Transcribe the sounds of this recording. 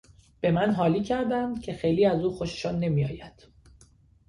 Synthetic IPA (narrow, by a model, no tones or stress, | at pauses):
b̥e̞mænɦɒːliːcʰæɾd̪æmcʰe̞xe̞jliːæzuːxoʃe̥ʃɒːnːe̞miːjɒːjæd̪̥